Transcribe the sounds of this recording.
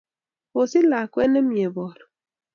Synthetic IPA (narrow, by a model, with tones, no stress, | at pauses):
o˨si˦la˨kwɛ˦nɛ˦mje˨bɔ˨ɾɔ˨